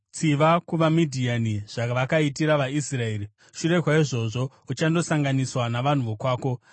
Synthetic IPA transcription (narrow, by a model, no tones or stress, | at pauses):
t͡siʋakuʋamidʱianiʐ̥aʋakaitiɾaʋaisrae̞ːɾi | ʃuɾe̞ɦwaiʐo̞ʐo̞ | ut͡ʃando̞saŋɡaniswanaʋan̤uʋokwaːko̞